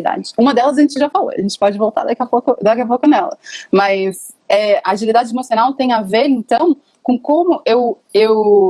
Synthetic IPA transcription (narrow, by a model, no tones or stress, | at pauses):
d̪a̰d͡ʒɪũmɐd̪ɛlɐzɐʒẽnt͡ʃɪʒafalo̰a̰ʒẽnt͡ʃɪ̥pɔd͡ʒɪvowt̪a̰ɾd̪akiɐpokʊd̪akiɐpokʊnɛlɐ̰mɐs | ɛaaʒilid̪ad͡ʒɪemosionawt̪ẽj̃aveɾẽnt̪ɐ̃w̃ | kõkõmʊʔew | ew